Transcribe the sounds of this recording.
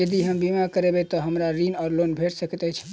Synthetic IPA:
jəd̪iɦəmbimakəɾebet̪ɔɦəmɾaɾinaɾlonbʱeʈsəkt̪ɛt͡ʃʰɛ̥

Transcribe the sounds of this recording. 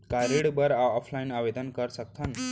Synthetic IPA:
kaɾiɽbəɾaɔpʰlainabed̪ənkəɾsək̚t̪ʰən

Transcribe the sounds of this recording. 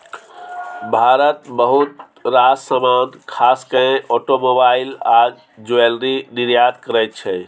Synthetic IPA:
bʱaɾət̪bəɦut̪ | ɾasəmankʰaskəẽʔɔʈomobailad͡ʒ | d͡ʒoelɾiniɾjad̪kəɾɛjt̪̚t͡ʃʰɛ

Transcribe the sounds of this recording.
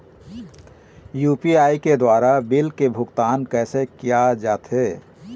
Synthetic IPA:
juːpiaːiked̪waːɾabɪlkebʱʊɡt̪aːnkɛːsekijad͡ʒaːt̪ɦeː

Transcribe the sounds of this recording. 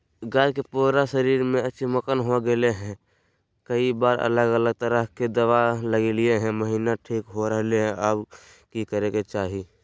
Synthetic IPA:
ɡaːɾkepuːɾaʃəɾiːɾmẽətːʃʰiməkənɦoɡeleɦɛ̃ | kəibaːɾə̰ləɡələɡ̚t̪əɾəɦked̪əwaləɡelieɦɛ̃məɦiːnaʈʰiːkɦoɾəɦleɦɛ̃ab | kikəɾeket͡ʃaːɦi

